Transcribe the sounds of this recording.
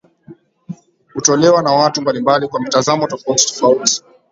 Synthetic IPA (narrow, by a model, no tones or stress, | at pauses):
hutɔlɛwanawatumbalimbalikwamitazamɔtɔfauti̥tɔ̥fauti̥